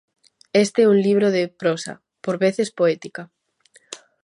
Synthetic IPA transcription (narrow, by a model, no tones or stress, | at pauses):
est̪eɛuŋliβ̞ɾoðepɾosa̰ | poɾβeθespoɛt̪ika